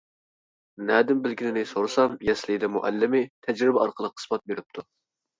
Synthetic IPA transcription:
nɛːd̪ɪmbɪlɡʲinɪnɪsoɾɨsɑmjɛslɪd̪ɛmṵʔɛ̰lːɪmɪt̪ʰɛd͡ʒɾɪbɛɑɾqəlˠəqʰːə̥smɑt̪̚beɾɪp̚t̪ʰu

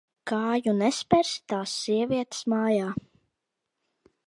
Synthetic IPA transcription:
kaːjunɛspɛɾst̪aːsːiɛviɛt̪smaːjaː

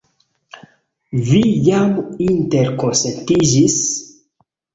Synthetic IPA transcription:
vijaminteɾkonsentid͡ʒis

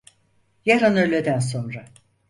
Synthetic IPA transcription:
jaɾanølʲed̪æns̬o̞nɾa

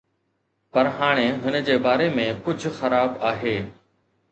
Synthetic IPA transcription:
pɐɾɦaːɽ̃ẽɦʊnəd͡ʑeːbaːɾemẽkʊd͡ʑʱxɐɾaːbaːɦeː

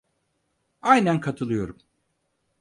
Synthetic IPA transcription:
ajnænkʰat̪ʰɯlˠɯjo̞ɾum

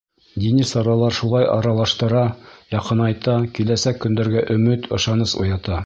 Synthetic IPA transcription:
d̪inisɑɾɑlˠɑɾʃulˠɑjʔɑ̰ɾɑlˠɑʃt̪ɤ̆ɾɑjɑqɤ̆nɑjt̪ɑkilæsækːɵ̆nd̪æɾɡæʔɵ̆mɘt̪ʰŏʃɑnɤsṵjɑt̪ɑ

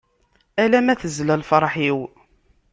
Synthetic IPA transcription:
ælæmæθəzlælfəɾˤħiw

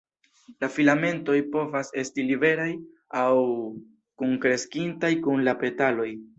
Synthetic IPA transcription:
lafilame̞nto̞jpo̞vase̞stilibe̞ɾaj | aw | kuŋkɾe̞skintajkunlape̞talo̞j

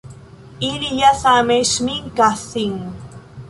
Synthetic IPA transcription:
iɾijasameʃmiŋkasiŋ

